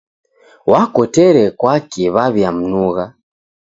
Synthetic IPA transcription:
wakɔtɛɾɛkwakiβaβjam̩nuɣa

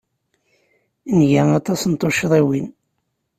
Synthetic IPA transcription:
nʝænɑt̪ˤɑsnt̪ˤoʃðˤiwin

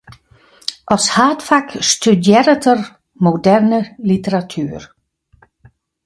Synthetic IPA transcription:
ʔɔshaːtfakstydjɛɾətər | modɛrnəlitəɾatʰyːər

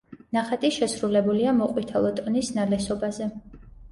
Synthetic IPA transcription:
naχat̪ʼiʃɛsɾulɛbuliamɔqʼwit̪ʰɛlˠɔt̪ʼɔnisnalɛsɔbazɛ

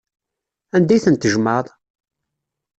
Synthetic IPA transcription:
ænd̪æjθənt̪əʒməðˤ

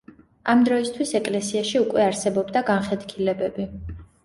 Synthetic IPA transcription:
amd̪ɾɔist̪ʰwisɛkʼlɛsiaʃiukʼwɛaɾsɛbɔbd̪aɡanχɛd̪kʰilɛbɛbi

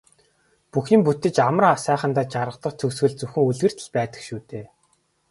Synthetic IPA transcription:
puxiːmput̪ɘ̆t͡ɕamə̆rasæːχə̆nt̪aːt͡ɕaɾə̆qt̪ə̆qt͡s̪ʰɵkswɘ̆ɮt͡suxɘ̆ŋuɮɣɘ̆r̥t̪ʰɘ̆ɮpæːt̪ə̥̆kʃuːt̪eː

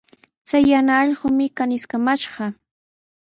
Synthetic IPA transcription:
t͡sajːanaːʎɢʊmɪkanɪskamaʃɢɑ

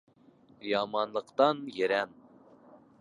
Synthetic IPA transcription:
jɑmɑnlˠəqt̪ɑnjeɾɛn

